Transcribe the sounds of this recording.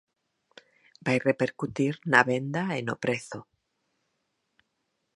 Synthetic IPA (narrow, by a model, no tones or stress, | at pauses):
bajrepe̞ɾkut̪iɾnaβend̪aenopɾeθo